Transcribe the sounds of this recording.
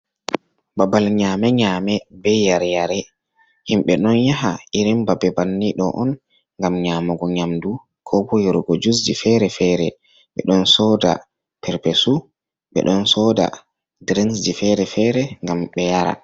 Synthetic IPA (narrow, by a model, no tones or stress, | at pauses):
babalɲaːmɛɲaːmɛbɛjjaɾjaɾɛ | himɓɛɗɔnjaɦaʔiɾimbabɛbanːiɗɔ̰ʔɔn | ŋɡamɲamɔɡɔɲamdu | kʰɔbɔjɔɾɡɔd͡ʒus̬d͡ʒifɛɾɛfɛɾɛ | ɓɛ̰ɗɔnsɔːda̰ | pʰɛɾpɛsu | ɓɛ̰ɗɔnsɔda̰ | dɾinsd͡ʒifɛɾɛfɛɾɛŋɡamɓɛjaɾa̰